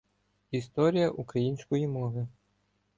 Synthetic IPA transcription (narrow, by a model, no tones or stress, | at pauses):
ist̪ɔɾʲijɐʔukɾɐjinʲsʲkɔjimɔʋɪ